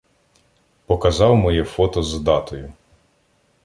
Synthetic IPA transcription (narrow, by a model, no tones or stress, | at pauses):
pɔkɐzɑwmɔjɛfɔt̪ɔzd̪ɑt̪ɔjʊ